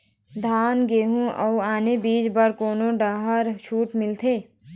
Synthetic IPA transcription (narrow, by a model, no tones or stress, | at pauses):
d̪ʱaːnɡeːɦũə̰ʊaːnebiːd͡ʒbəɾkoːnoɖaːɦəɾʃʰuːʈmɪlt̪ʰeː